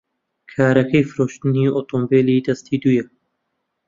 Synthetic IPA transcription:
kʰaːɾɐkɛjfɨɾoːʃt̪ɨniːoːt̪ʰoːmbeːliːd̪ɐst̪iːd̪uːjɛ

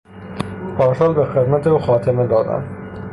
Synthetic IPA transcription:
pʰɒːɾsɒːlbexed̪mæt̪ʰeuːxɒːt̪ʰemed̪ɒːd̪æ̰m

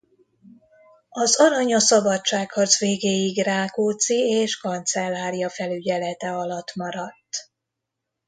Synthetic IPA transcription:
ɒzɒɾɒɲɒsɒbɒt͡ʃːaːkhɒzveːɡeːjiɡraːkoːt̪sieːʃkɒnt̪sɛlːaːɾijɒfɛlyɟɛlɛt̪ɛɒlɒt̪ːmɒɾɒt̪ː

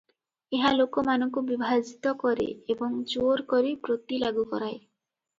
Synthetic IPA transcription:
eɦalokɔmanɔŋkubibʱad͡ʒit̪ɔkɔɾḛebɔŋd͡ʒoɾkɔɾipɾot̪ilaɡukɔɾaj

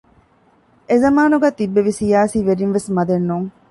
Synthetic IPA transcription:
ezɐmaːnuɡæːt̪ibːeʋisijaːsiːʋeɾinʋesmɐd̪enːuːŋ

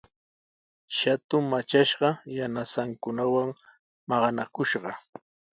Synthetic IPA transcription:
ʃat̪ʊmmat͡ʃaʃɢɑjanasaŋkʊnawaŋ | mɑɢɑnakʊʃɢɑ

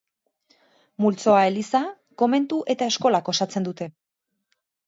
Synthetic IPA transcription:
mult͡so̞ae̞lisa | ko̞me̞nt̪uʔe̞t̪ae̞sko̞lako̞sat͡se̞nd̪ut̪e̞

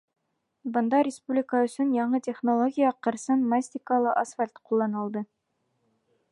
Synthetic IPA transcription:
bɤ̆nd̪ɑɾʲɪspublʲɪkəɵ̆sɵnjɑɴɤt̪ʲeχnolˠoɡʲijəqɤ̆ɾsɤnmasʲt̪ʲɪkəlˠɤʔɐsfalʲt̪qulˠːɑnɤ̆lˠd̪ɤ

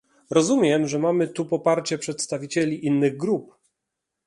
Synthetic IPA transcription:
ɾɔzumʲjɛmʐɛmamɘt̪upɔpaɾt͡ɕɛpʂɛt̪st̪avʲit͡ɕelʲiʔinːɘɣɡɾup̚

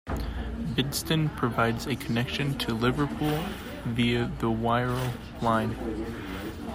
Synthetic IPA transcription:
bɪdstɨ̃npʰɹ̥ɨvaɪdzɨkʰənɛkʃɨ̃ntʰɨlɪvə˞pʰulˠ | viɨðəwaɪɹˠ | lãɪ̃n

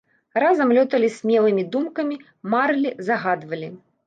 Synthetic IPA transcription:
razɐmlʲɔt̪ɐlʲisʲmʲɛlˠɨmʲid̪umkɐmʲi | marlʲizɐɣad̪vɐlʲi

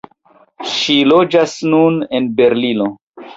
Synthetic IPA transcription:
ʃilod͡ʒasnunenbe̞ɾlino

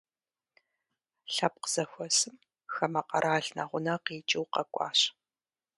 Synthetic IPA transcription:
ɬɐp̚qəz̥ɐxʷɔsɨm | xɐmɐqʼɐ̰ɾʔaːɬna̰ʁʷʊnaqiːt͡ʃʼɪwqɐkʷʼɑ̰ːɕ

